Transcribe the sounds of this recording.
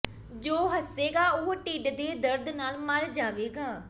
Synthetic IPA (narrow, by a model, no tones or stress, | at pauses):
d͡ʒoːɦəseːɡaːʊɦoʈiːɖd̪eːd̪əɾd̪naːlməɾd͡ʒaːʋeːɡaː